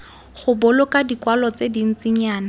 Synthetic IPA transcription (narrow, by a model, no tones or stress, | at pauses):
χʊbʊlʊkʼadikwalɔt͡sedin̩t͡sɪɲaːna